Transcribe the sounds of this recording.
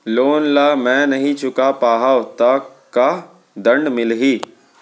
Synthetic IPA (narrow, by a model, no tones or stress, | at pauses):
loːnlaːmɛ̃ːnɐɦĩt͡ʃʰʊkapaːɦaːt̪aka | d̪ɐ̃ɳɖmɪlɦiː